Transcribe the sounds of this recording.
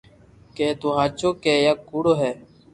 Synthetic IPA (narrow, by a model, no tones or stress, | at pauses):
keːt̪oːɦaːt͡ʃoːkeːjaːkːuːɽoːɦɛː